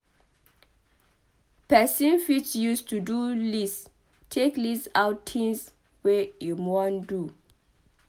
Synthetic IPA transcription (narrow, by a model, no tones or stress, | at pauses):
pɛsĩnfit͡ʃjustudulis | tʰeklisaʊtʰĩŋs | wejumɔ̃ndu